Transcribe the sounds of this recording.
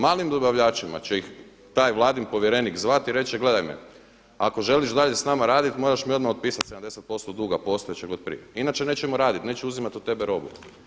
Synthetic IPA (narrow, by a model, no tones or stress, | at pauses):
maːlimd̪o̞baʋʎaːt͡ʃima̰t͡ɕeix | t̪aːjʋlˠaːd̪inpo̞ʋjeɾe̞nikzʋat̪iɾe̞t͡ɕɛɡle̞d̪ajmḛ | ako̞ʒe̞liʃd̪aʎe̞snamaɾaːd̪it̪mo̞ɾaʃmio̞d̪maod̪̚piːsat̪sed̪amd̪e̞set̪̚post̪od̪uɡapo̞ːst̪ojet͡ɕeɡo̞d̪̚pɾḭjeinat͡ʃene̞ːt͡ɕt͡ʃemoɾaːd̪it̪ne̞t͡ɕeuzimat̪ut̪ːe̞beɾo̞bṵ